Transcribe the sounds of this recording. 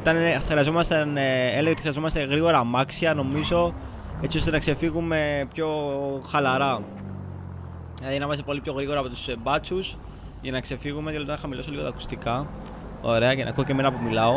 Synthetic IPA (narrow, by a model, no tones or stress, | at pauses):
it̪ɐnexɾiɐzo̞mɐst̪ɐneleʝeot̪ixɾiɐzomɐst̪e̞ɣɾiɣo̞ɾɐmɐksiɐno̞mizo̞ | e̞t͡sio̞st̪enɐkse̞fiɣume̞pço̞xɐlɐɾɐ | ilɐðinɐmɐst̪e̞po̞lipço̞ɣɾiɣo̞ɾɐːpo̞t̪u̥sebɐt͡sus | ʝɐnɐkse̞fiɣumeðiloot̪ɐnxɐmilo̞soliɣo̞t̪ɐku̥st̪ikɐ | o̞̰ɾe̞ɐcenʔɐ̰kuoceme̞nɐpumilɐo̞